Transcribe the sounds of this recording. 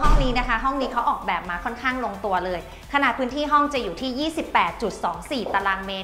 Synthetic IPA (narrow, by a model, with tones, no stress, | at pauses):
ɔ˥˩ŋniː˦˥na˦˥˩kʰa˦˥˩ɦɔ˥˩ŋniː˦˥kʰa˦˥wʔɔː˨˩k̚bɛː˨˩p̚maː˧kʰɔ˥˩nkʰaː˥˩ŋlo˧ŋt̪u˧ɐlɤː˧j | kʰa˧naː˨˩t̪pʰɯː˦˥nt̪ʰiː˥˩ɦɔ˥˩ŋt͡ɕa˨˩juː˨˩t̪ʰiː˥˩jiː˥˩si˨˩pːɛː˨˩t̪̚t͡ɕu˨˩t̪̚sɔː˩˦ŋsiː˨˩t̪a˧laː˧meː˦˥